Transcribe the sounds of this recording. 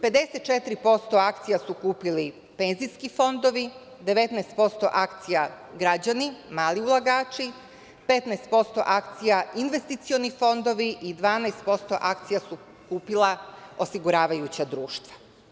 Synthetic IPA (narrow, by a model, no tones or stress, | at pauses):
pe̞d̪e̞set̪t͡ʃet̪ɾipo̞st̪o̞akt̪sijasukuːpili | pe̞nziskifo̞nd̪o̞ʋi | d̪eʋe̞t̪nɛst̪̚po̞st̪o̞̰ʔakt̪sijaɡɾad͡ʑanimaːliulˠaɡaːt͡ʃi | pet̪naest̪̚po̞st̪o̞̰ʔakt̪sijainʋe̞st̪it̪sio̞nifo̞nd̪o̞ʋiʔid̪ʋaːnaest̪̚po̞st̪o̞̰ʔakt̪sijasu | kuːpilˠao̞siɡuɾaːʋajut͡ɕad̪ɾuːʃt̪ʋḁ